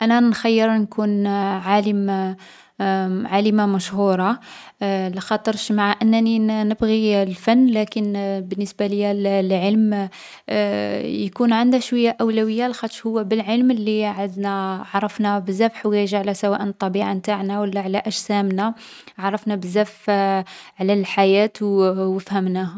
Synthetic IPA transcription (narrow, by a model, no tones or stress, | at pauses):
ʔænænxajːəɾnkunʕaləm | ʕaləmamæʃhuɾˤɑ | ləxɑt̪ˤəɾʃmaʕaʔənːæninəbɣilfænːlækənbənːəsbaləjællʕəlm | jkunʕənd̪hʃwəjːaʔæwlæwəjːalxɑt̪ˤəɾʃhʊwːæbəlʕəlmlːiʕəd̪næʕɑɾˤːɑfnæbəzæbħwæʒaʕlæsæwæʔənt̪ˤːɑbiʕant̪aʕnæwəlːæʕlæʔæʒsæmnæʕɑrˤɑfnæbəzːæf | ʕlælħajæt̪wwəfhəmnæh